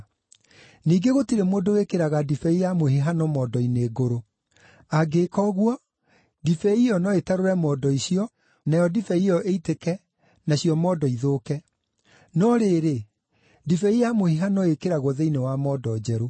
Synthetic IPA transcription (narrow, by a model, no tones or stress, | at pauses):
niːɡeɣotiɾemoːdowekeɾaɣadifɛijamohiɦanɔmɔːdɔineːɡoɾo | aɡekɔɣwɔ | difɛiɔnɔetaɾoɾɛmɔːdɔiɕjɔ | najɔdifɛiɔʔeitekɛ | naɕiɔmɔːdɔiðokɛ | nɔɾeːɾe | difɛijamohiɦanɔekeɾaɣwɔðeinewamɔːdɔd͡ʑɛɾo